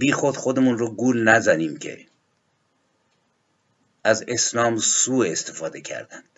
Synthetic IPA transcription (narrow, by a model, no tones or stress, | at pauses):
biːxod̪̥xod̪emunroɡuːlnæzæniːmcʰe̞̰ | æzeslɒːmsuːest̪ʰefɒːd̪e̞cʰæ̰ɾd̪ænd̪̥